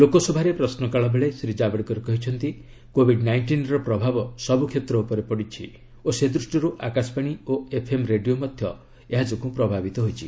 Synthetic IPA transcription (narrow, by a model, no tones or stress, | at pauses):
lokɔsɔbʱaɾepɾɔsnɔkaɭɔbeɭesɾid͡ʒabɔɽikɔɾekɔɦit͡ʃʰɔnt̪i | kobʱiɖnajɳʈinɾɔpɾɔbʱabɔsɔbukʰet̪ɾɔupɔɾepɔɽit͡ʃʰi | osed̪ɾusʈiɾuʔakasɔ̥paɽ̃ioepʰemɾeɖijomɔd̪ʱjɔ | eɦad͡ʒɔkupɾɔbʱabit̪ɔɦojt͡ʃʰi